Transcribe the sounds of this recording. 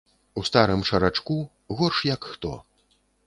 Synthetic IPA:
ust̪aɾɨmʂɐɾat͡ʂku | ɣɔrʂjɐkxt̪ɔ̰

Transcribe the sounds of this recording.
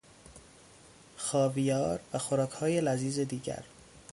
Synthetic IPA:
xɒːvijɒːɾvæxoɾɒːkʰhɒːje̞læziːze̞d̪iːɟæ̰ɾ

